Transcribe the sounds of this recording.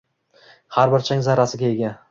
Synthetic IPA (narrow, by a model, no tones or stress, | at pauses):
haɾbɪɾt͡ʃʰaŋzaɾasɪɡʲaeɡʲa